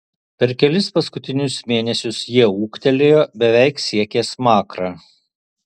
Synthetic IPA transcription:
pʲɛɾkʲɛlʲɪspɐskʊt̪ʲɪnʲʊsmʲeːnʲɛsʲʊsjiɛuːkt̪ʲɛlʲeːjoːbʲɛʋʲɛɪksʲiɛkʲeːsmɑːkɾɑː

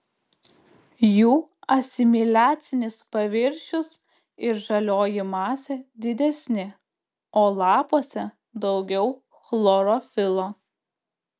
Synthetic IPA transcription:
juːɐsʲɪmʲɪlʲæːt̪sʲɪnʲɪspɐʋʲɪɾʲʃʲʊs | ɪɾʒɐlʲoːjɪmɑːsʲɛd̪ʲɪd̪ʲɛsʲnʲɪ | oːlˠɑːpoːsʲɛ | d̪ɒʊɡʲɛʊ | xlˠɔɾoːfʲɪlˠoː

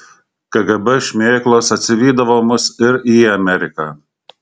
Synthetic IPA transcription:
kɐɡɐbɛʃʲmʲeːklˠoːsɐt̪ʲsʲɪʋʲiːd̪ɐʋoːmʊsɪɾiːɐmʲɛɾʲɪkaː

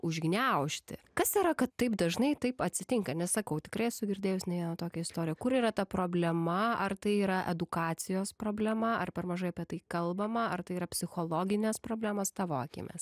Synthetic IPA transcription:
ʊʒʲɡʲnʲɛʊʃʲt̪ʲɪkɐsiːɾɐkɐt̪tɐɪpd̪ɐʒnɐɪt̪ɐɪpɐt̪ʲsʲɪt̪ʲɪŋkɐnʲɛssɐkɐʊt̪ʲɪkɾɐɪɛʃsʊɡʲɪɾʲd̪ʲeːjʊsʲnʲɛʋʲiɛnɐt̪oːkʲɛɪst̪oːɾʲɪjɛkʊɾiːɾɐt̪ɐpɾoːbʲlʲɛmɐɐrt̪ɐɪiːɾɐʔɛd̪ʊkɑːt̪sʲɪjoːspɾoːbʲlʲɛmɐɐrpʲɛrmɐʒɐɪɐpʲiɛt̪ɐɪkɐlˠbɐmɐɐrt̪ɐɪiːɾɐpʲsʲɪxoːlˠoːɡʲɪnʲɛspɾoːbʲlʲæːmɐst̪ɑːʋoɐkʲɪ̰mʲɛ̰s

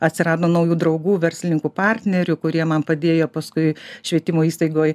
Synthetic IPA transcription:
ɐt̪ʲsʲɪɾɑːd̪oːnɐʊjuːd̪ɾɐɒʊɡuːʋʲɛɾʲsʲlʲɪnʲɪŋkuːpɑɾʲt̪ʲnʲɛɾʲʊkʊɾʲiɛmɐnpɐd̪ʲeːjoːpɐskʊɪʃʲʋʲiɛt̪ʲɪmoːiːst̪ɐɪɡoːj

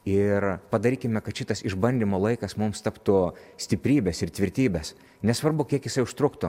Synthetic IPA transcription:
ɪrpɐd̪ɐɾʲiːkʲɪmʲɛkɐt̪ʃʲɪt̪ɐsɪʒbɐnʲd̪ʲimoːlˠɐɪkɐsmʊmst̪ɐpt̪ʊsʲt̪ʲɪpʲɾʲiːbʲɛsɪrt̪ʲʋʲɪɾʲt̪ʲiːbʲɛs | nʲɛsʋɐrbʊkʲiɛkjɪsɐɪʊʃt̪ɾʊkt̪ʊ

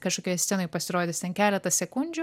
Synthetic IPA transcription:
kɐʃkoːkʲoːjsʲt̪ʲɛnojpɐsʲɪɾoːd̪ʲɪst̪ʲɛnkʲæːlʲɛt̪ɐsʲɛkʊnʲd͡ʒʲʊ

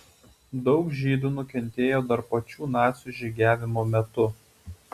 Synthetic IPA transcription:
d̪ɒʊkʒʲiːd̪uːnʊkʲɛnʲt̪ʲeːjoːd̪ɐɾpɐt͡ʃʲuːnɑːt̪sʲuʒʲɛɡʲæːʋʲɪmoːmʲɛt̪ʊ

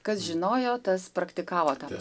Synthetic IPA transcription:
kɐsʒʲɪnoːjoːt̪ɐspɾɐkt̪ʲɪkɑːʋoːt̪ɑːp

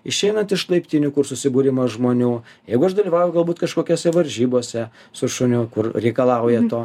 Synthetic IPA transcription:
ɪʃʲɛɪnɐnt̪ɪʃlˠɐɪpʲt̪ʲinʲʊkʊrsʊsʲɪbuːɾʲɪmɐʒmoːnʲuː | jɛɪɡʊɐʃd̪ɐlʲiːʋɑːʊjɛʊɡɐlˠbuːt̪kɐʃkoːkʲoːsʲɛʋɐɾʲʒʲiːboːsʲɛ | sʊʃʊnʲʊkʊrɾʲɛɪkɐlˠɐʊjɛt̪oː

